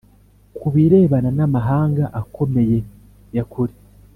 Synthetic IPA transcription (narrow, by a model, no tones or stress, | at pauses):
kuβiɾe̞ːβananamaɦaːŋɡaʔako̞me̞je̞ | jakuɾi